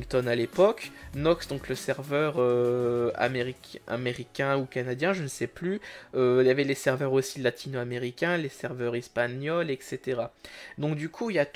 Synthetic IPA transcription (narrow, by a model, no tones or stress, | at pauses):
ŋkt̪ɔnalepɔknɔksd̪ɔ̃kləsɛʁvœʁø | a̰meʁika̰meʁikʲɛ̃ukanad̪jɛ̃ʒənəsɛplyøjavɛlesɛʁvœʁosilat̪ʰinoameʁikʲɛ̃lesɛʁvœʁɛspanjɔlɛkset̪eʁad̪ɔ̃kd̪ykʰuiljat̪